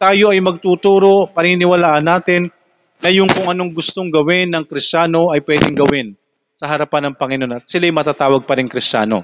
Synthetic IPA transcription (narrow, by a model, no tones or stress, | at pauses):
t̪aːjo̞ʔɐjmɐɡ̚t̪uːt̪uːɾo̞pɐnɪnɪwɐlaːʔɐnːaːt̪ɪnː | ɐjʊŋkʊŋɐno̞ŋɡʊst̪oŋɡɐwɪnːɐŋkɾɪst͡ʃaːno̞ʔɐjpwɛːd̪ɪŋɡɐwɪn | sɐɦɐɾɐpanɐŋpɐŋɪnonɐt̪sɪlajmɐt̪aːt̪aːwɐɡ̚pɐɾɪŋkɾɪst͡ʃa̰ːno̞̰